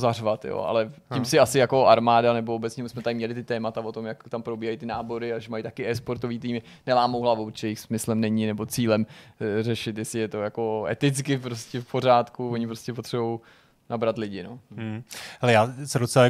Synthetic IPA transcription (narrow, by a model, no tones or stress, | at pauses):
zarvat̪jo̰ːʔa̰lɛcɪmsɪasɪjako̞aɾmaːdanɛboobɛt͡sɲɛmɪsmɛt̪aɪmɲɛlɪt̪ɪt̪ɛːmat̪avot̪o̞mjakt̪ampɾo̞biːɦajit̪ɪnaːbo̞ɾɪaʒɛmajt̪akɪɛːspo̞ɾt̪o̞viːt̪iːmɪ | nɛlaːmowɦlavowt͡ʃɛjɛjɪxsmɪslɛmnɛɲɪnɛbo̞t͡siːlɛmrɛʃɪt̪jɛsɪjɛt̪o̞jako̞ɛ̰t̪ɪt͡skɪp̬ɾoscɛfpo̞ɾaːt̪kuvoɲɪp̬ɾoscɛpot̪r̥ɛbo̞w | nabɾat̪lɪɟɪno̞̰ | hɛlɛjaːsɛdot͡sɛla